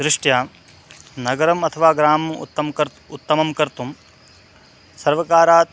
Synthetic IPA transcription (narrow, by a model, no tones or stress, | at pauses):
sɾɪʂʈjaː | nɐɡɐɾɐmɐt̪ʰɐʋaːɡɾaːmɐ̰t̪ːɐmkɐɾ | ut̪ːɐmɐmkɐɾt̪um | sɐɾʋɐkaːɾaːt̪